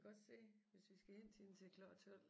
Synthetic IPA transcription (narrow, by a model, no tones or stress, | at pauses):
ɒ̽d̥se̝̰ːʋe̝sʋisɡ̥æhen̰sʰin̩t͡sʰe̝kʰlɒ̥t͡sʰɔl̰